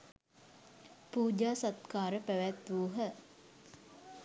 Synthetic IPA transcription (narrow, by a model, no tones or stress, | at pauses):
puːd͡ʒaːsat̪kaːɾəpæʋæt̪ʋuːɦə